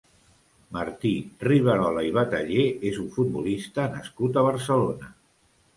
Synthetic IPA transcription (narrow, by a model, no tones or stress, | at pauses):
maɾt̪iriβ̞əɾɔlaiβ̞at̪əʎeezuɱfud̪̚bulist̪ənəskut̪əβ̞əɾsəlonə